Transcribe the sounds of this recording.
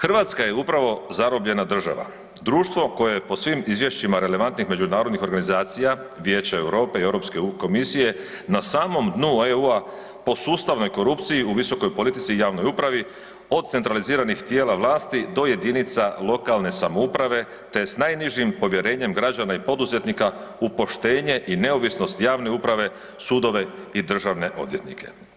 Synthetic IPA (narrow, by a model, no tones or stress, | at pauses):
xr̩ʋat̪skaje̞upɾaʋo̞zaɾobʎe̞nad̪r̩ʒa̰ʋa̰ | d̪ɾuːʃt̪ʋo̞ko̞jejepo̞sʋimizʋje̞ʃt͡ɕimaɾe̞le̞ʋant̪nixme̞d͡ʒunaːɾo̞d̪nixo̞ɾɡanizaːt̪sija | ʋje̞ːt͡ɕae̞wɾo̞ːpe̞ie̞wɾo̞pskeko̞misije̞ | nasaːmo̞md̪nueua | po̞suːst̪aʋno̞jko̞ɾupt̪sijiuʋiso̞kojpo̞lit̪it̪siːjaːʋno̞jupɾaʋi | o̞d̪̚t̪se̞nt̪ɾaliziːɾanixt̪jeːlaʋlˠaːst̪id̪o̞je̞d̪init̪salˠo̞kalˠne̞samoupɾaʋe̞ | t̪e̞snajniʒimpo̞ʋje̞ɾe̞ːɲe̞mɡɾad͡ʑanaipo̞d̪uze̞t̪nikaupo̞ʃt̪e̞ːɲe̞ʔine̞oʋisno̞st̪jaːʋne̞upɾaʋe̞ | suːd̪o̞ʋe̞id̪r̩ʒaʋne̞ʔo̞d̪ʋje̞t̪nḭkʰe̞̰